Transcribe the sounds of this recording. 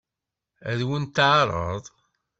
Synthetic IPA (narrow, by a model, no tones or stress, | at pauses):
æðwənt̪ʕɾˤə̰ðˤ